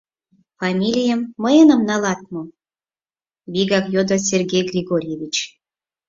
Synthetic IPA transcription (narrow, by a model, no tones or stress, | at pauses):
fɑmʲilʲijəmːəjənəmnɑlɑt̪̚mo | βʲiɡɑkjod̪os̬ʲerɡʲejɡrʲiɡoɾʲijeβʲit͡ɕ